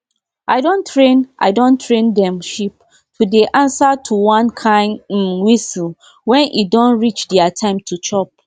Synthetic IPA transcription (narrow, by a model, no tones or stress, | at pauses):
ʔaɪdõntʰɹẽnʔa̰ɪdõntʰɹẽndɛ̃mʃip | tʰudeʔãnsatʰuwãnkʰãɪ̃n̩wisl | wɛ̃nʔidɔ̃nɹit͡ʃdiatʰãɪ̃mtʰut͡ʃɔp̚